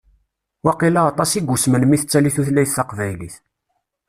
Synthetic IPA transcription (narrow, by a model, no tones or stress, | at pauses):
wɑqilɑɑt̪ˤɑsiɡʷusmənmiθət͡sːæliθuθlæjθːɑqvæjlḭθ